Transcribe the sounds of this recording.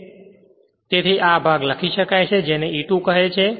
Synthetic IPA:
t̪et̪ʰiʔabʱaɡləkʰiʃəkajt͡ʃʰed͡ʒeneiʈũkəɦet͡ʃʰe

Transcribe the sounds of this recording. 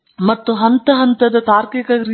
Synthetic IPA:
mɐt̪ːuɦɐnt̪ɐɦɐnt̪ɐd̪ɐt̪aːɾkikɐɡɾi

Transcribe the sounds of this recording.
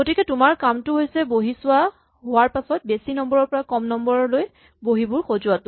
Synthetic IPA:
ɡotikɛtʊmaɹkamtʊɦojsɛboɦisʊwa | ɦowaɹpasɔt̚besinɔmbɔɹɔɹpɔɹakɔmnɔmbɔɹɔloj | boɦibʊɹxozʊwatʊ

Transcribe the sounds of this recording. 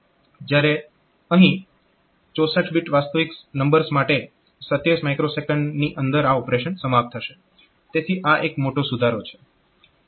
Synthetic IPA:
d͡ʒjaɾe | əɦĩ | t͡ʃosə̃ʈʰbiʈʋast̪əʋiknəmbəɾsmaʈe | sət̪jesmajkɾosekəɳɖniʔənd̪əɾaɔpɾeʃənsəmat̪ʰːəʃe | t̪et̪ʰiʔaʔekmoʈosud̪ʱaɾot͡ʃʰe̥

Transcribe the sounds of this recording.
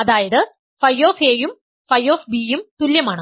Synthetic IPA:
ɐðaːjɐðɨ | fɐjːo̞ːfeːjum | fɐjːo̞ːfbiːjumt̪uljɐmaːɳɨ

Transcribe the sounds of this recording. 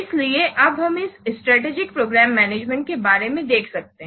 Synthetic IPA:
ɪslieʔɐbɦɐmɪsɪsʈɾɛːʈeːd͡ʒɪkpɾoːɡɾɛːmːɛːneːd͡ʒmɛ̃ɳʈ̚kebaːɾemẽd̪eːkʰsɐk̚t̪eɦɛ̃

